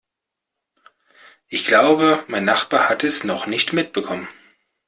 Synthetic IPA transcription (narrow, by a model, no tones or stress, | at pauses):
ʔɪçɡ̥laʊbəmaɪnːaχb̥aːɐhatɛsnɔχnɪçtmɪt̚b̥əkʰɔmən